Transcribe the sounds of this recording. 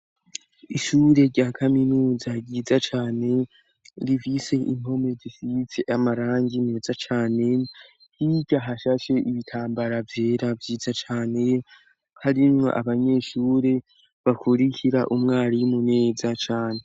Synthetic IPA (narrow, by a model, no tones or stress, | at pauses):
iʃuːɾe̞ɾɟaːkʰaminuːzaɟiːzat͡ʃaːne̞ | ɾivise̞ʔḭn̥o̞me̞zifit͡se̞ʔamaɾaːŋɡineːzat͡ʃaːne̞ | hiɟaɦaʃaʃe̞ʔiβitʰaːmbaɾavje̞ːɾavjiːzat͡ʃaːne̞ | haɾimŋo̞̰ʔaβaɲe̞ːʃuːɾe̞ | βakʰuɾicʰiɾaʔumŋaːɾijumune̞ːzat͡ʃaːne̞